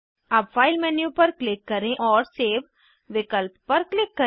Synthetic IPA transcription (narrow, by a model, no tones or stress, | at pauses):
ɐbfʰaːɪlmɛːnijupɐɾklɪkːɐɾẽʔɔːɾseːʋ | ʋɪkəlpːɐɾklɪkːə